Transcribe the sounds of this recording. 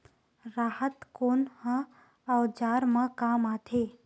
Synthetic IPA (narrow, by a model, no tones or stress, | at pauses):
ɾaːhət̪koːnhə̃ | əʋd͡ʒaːɾmãkaːmaːt̪ʰeː